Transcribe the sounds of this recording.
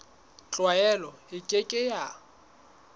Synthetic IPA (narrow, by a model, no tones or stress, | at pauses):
t͡ɬʼwaɛlɔɪkʼekʼɪja